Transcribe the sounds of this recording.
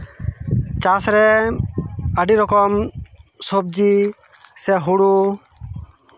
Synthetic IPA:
t͡ʃasɾɛ | əɖiɾɔkɔmsob̚d͡ʒi | sɛɦuɽu

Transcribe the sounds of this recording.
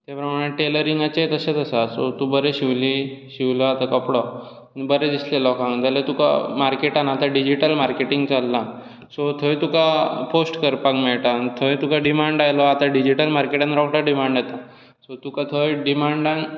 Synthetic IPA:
t̪japɾəmaɽ̃eʈeləɾiŋɡat͡ɕet̪əset̪əsasot̪ũbəɾeɕiʋliɕiʋlɔat̪akəpɽɔ | nbəɾed̪islelɔkãŋt̪alet̪uka̰maɾkeʈanat̪aɖid͡ʑiʈəlmaɾkeʈiŋɡt͡salːã | sot̪ʰəjt̪ukaposʈkəɾpakmeɭʈant̪ʰəjt̪ukaɖimaɳɖajlɔat̪aɖid͡ʑiʈəlmaɾkeʈãnɾɔkʈaɖimaɳɖjat̪a | sot̪ukãt̪ʰəjɖimaɳɖãn

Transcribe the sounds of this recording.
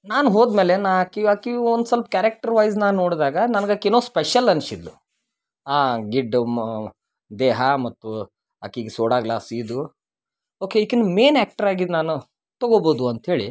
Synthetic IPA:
naːnuɦoːd̪meːlenaːɦɐkːiɐkiond̪sɐlpɐkʲaːɾek̚ʈɐɾʋɐjznaːnːoːɽd̪aːɡɐnɐnɡɐkinoːspeʃɐlɐnsid̪lu | aːɡiɖ | d̪eːɦɐmɐt̪ːu | ɐkiɡesoːɽaːɡlaːsiːd̪u | oːkeikinmeːnaːk̚ʈɐɾaːɡid̪naːnu | t̪ɐɡoːboːd̪uɐnt̪ɦe̞ːɭi

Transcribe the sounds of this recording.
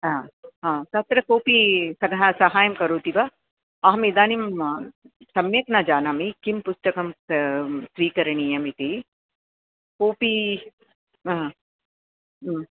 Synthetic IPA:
aɦãːsɐt̪ɾɐkoːpisɐɡɦasɐɦaːjɐmkɐɾoːt̪iʋɐ | ɐɦɐmid̪aːnim | sɐmjɐknad͡ʒaːnamikimpust̪ɐkɐm | sʋiːkɐɾɐɳijɐmit̪i | koːpi

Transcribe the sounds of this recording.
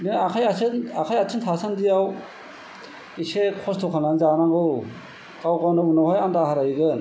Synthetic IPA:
ninakʰajasʰɯnakʰajatʰɯntʰasandijaw | isekʰɔstʰɔkʰananzanaŋɡɯw | kawɡawnɯunawhajandaɦaɾajɡɯn

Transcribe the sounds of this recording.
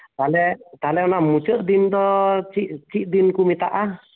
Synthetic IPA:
t̪alɛt̪alɛɔnamut͡ʃəʔd̪ind̪ɔt͡ʃiʔt͡ʃiʔ̚d̪inkumit̪a̰ʔa

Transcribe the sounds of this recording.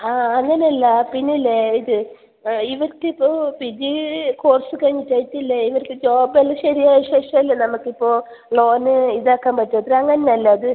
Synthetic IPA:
aːŋːɐneɐlːɐpinːilːeiðɨ | iʋɐɾkːɨipːo̞ːpid͡ʑiko̞ːrsɨkɐɻiɲːitːɐjtːilːɐiʋɐɾkːɨd͡ʑoːbelːɐɕɐɾijaːjɐʂe̞ːʂɐmilːɐnɐmukːipːo̞ː | lo̞ːnɨiðaːkːaːmpɐtːuɐðɐɾɐŋːɐnenɐlːɐːðɨ

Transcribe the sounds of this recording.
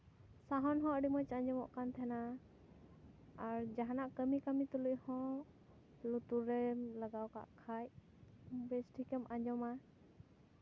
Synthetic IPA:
saɦɔnɦɔ̃ʔɖimɔjt͡ʃaɲd͡ʒɔmɔʔkant̪ʰɛna | ɾd͡ʒaɦanaʔkəmikamit̪uluʔhɔ̃ | lut̪uɾɛlaɡawka̰ʔkʰaj | bɛsʈʰikɛmaɲd͡ʒɔma

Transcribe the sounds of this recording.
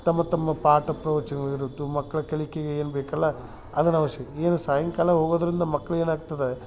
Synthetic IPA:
t̪ɐmːɐt̪ɐmːɐpaːɾʈɐpɾɐʋɐt͡ʃɐnɐʋɐɾut̪ːumɐkːɐɭɐkɐlikeɡeeːnbeːkɐlːɐ | ɐd̪ɐnɐʋɐʃjɐeːnusaːjɐŋkaːlɐɦoːɡoːd̪ɐɾind̪ɐmɐkːɐɭe̞ːnaːɡt̪ɐd̪e

